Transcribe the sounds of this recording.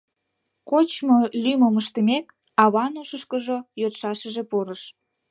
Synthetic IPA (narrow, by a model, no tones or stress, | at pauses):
kot͡ɕmolyməməʃt̪əmek | ɑβɑnuʃəʃkəʒojot̪ʃɑʃəʒepoɾəʃ